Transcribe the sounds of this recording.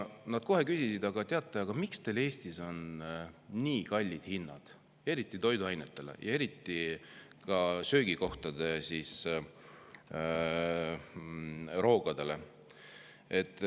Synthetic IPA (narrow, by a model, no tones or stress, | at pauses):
nɑd̪̥̚ko̞ɦe̞kysisid̪̥ɑɡ̥ɑt̪eɑt̪ˑːɑjɑɡ̥ɑmikst̪e̞le̞ːst̪iso̞nː | iːkɑlʲːid̪̥hinːɑ̰d̪̥ | e̞ɾit̪ːˑit̪o̞jd̪uɑjnet̪ːˑe̞lḛjʔɑ̰e̞ɾit̪ːˑikɑsøːɡiko̞ht̪ɑd̪̥e̞sis | ro̞ːɡ̥ɑd̪̥e̞le̞ | e̞t̪ːˑ